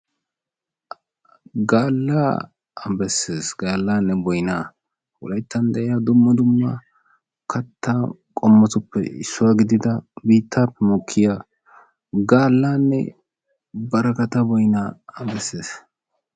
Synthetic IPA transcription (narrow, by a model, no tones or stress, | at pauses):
ɡaːlːa̰ː | ɐbɛsːeːsɡaːlːaːnːɛbɔjnaː | wɔ̰lɐjt̪ːɐnd̪ɛʔɪjaːd̪ʊmːɐd̪ʊmːɐ | kʰɐt̪ːaː | kʼɔmːɐt̪ʊpːɛ̰ɪ̰sːʊwaːɡɪd̪ɪd̪ɐbiːt̪ːaːpːɛmɔkʰːɪja | ɡaːlːaːnːɛ̰ | bɐɾɐkɐt̪ɐbɔjnaːɐbɛsːeːs